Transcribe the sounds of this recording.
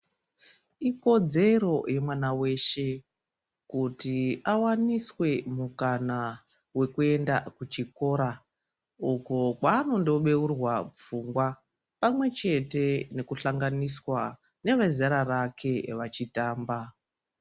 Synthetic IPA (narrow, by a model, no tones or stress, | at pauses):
iko̞d͡ze̞ɾo̞je̞mwanawe̞ʃe̞ | kutiawaniswe̞mukana | we̞kue̞ndakut͡ʃiko̞ːɾa | ukokwaːno̞ndoɓe̞urwap͡fuŋɡwa | pamwe̞t͡ʃe̞te̞ne̞kuɬaŋɡaniswa | ne̞ʋezaɾarakʰe̞ʋat͡ʃitaːmba